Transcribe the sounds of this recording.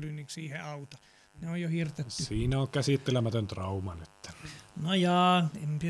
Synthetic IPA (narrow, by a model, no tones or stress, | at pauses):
lyniksiːheɑut̪ɑ | neojjohirt̪esyiːnæoŋkæsit̪ːelemæt̪ønt̪rɑˑumɑnet̪ːæ̥nojɑːempi